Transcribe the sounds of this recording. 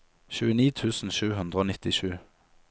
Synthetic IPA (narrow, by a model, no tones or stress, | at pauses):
çʉːəniːt̪ʰʉːsn̩ʃʉːhʉnd̪ʁəoːnɪt̪ɪʃʉː